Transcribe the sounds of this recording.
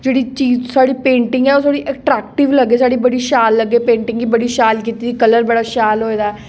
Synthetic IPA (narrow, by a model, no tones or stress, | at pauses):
d͡ʒeːɽiːt͡ʃiːzsaːɽiːpẽːɳʈɪŋɡɛːoːsaːɽiːʔɛʈɾɛːk̚ʈɪʋləɡːeːsaːɽiːbəɽiːʃaːlːəɡːeːpẽːɳʈɪ̃ŋɡiːbəɽiːʃaːlkiːt̪iːd̪iːkələɾbəɽaːʃaːlɦoːeːd̪aːɛ